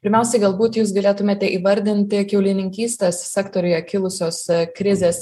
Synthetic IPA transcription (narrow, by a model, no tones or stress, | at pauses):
pʲɪɾʲmʲæˑʊsʲɛɪɡɐlˠbuːt̪juːs̬ɡɐlʲeːt̪ʊmʲeːt̪ʲɛʔiːʋɐɾʲd̪ʲɪnʲt̪ʲɪkʲɛʊlʲɪnʲɪŋʲkʲiːsʲt̪ʲessʲɛkt̪oɾʲʊjɛkʲɪlˠʊsʲoːskɾʲɪzʲeːs